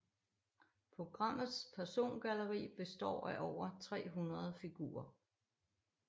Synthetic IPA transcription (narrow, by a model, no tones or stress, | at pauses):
pʰʁo̝ɡ̥ʁɑ̈m̰ð̩ˠspʰæɐso̝̰ːnɡ̥ælɐʁḭːb̥e̝sd̥ɒ̰ːæʔɒʊ̰ɐt͡sʰʁɛ̰ːɦunʁɐð̞̩ˠfiɡ̥ṵːɐ